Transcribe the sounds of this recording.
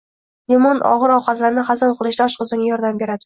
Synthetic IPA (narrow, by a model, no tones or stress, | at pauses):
d̪emɒnʔɒ̰ʁɨɾɒqɑt̪laɾnɪχɑzɒnqʰɨlˠɪʃd̪aɒʃqʊzɪŋʲajɒɾd̪ambe̞ɾad̪ɪ